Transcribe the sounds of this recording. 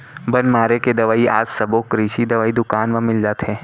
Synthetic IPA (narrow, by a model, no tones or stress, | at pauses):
bɐnmaːɾeked̪ɐʋaːiaːd͡ʒsɐbokɾiːʃid̪ɐʋaːid̪ʊkaːnʋɐ̃mɪld͡ʒaːt̪ɦɛ̃ː